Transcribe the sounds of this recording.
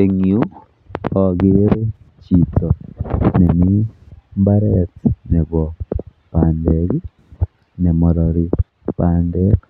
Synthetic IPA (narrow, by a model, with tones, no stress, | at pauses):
e˨ŋiu˦ | ɔ˨ɡɪ˦ɾe˦t͡ʃi˨tʰɔ˨ne˨mi˦mba˦ɾɛ˦tne˨ɡɔ˨ | pa˨ndɛ˨ɡ | nɛ˨mɔ˨ɾɔ˨ɾi˨ | pa˨ndɛ˦k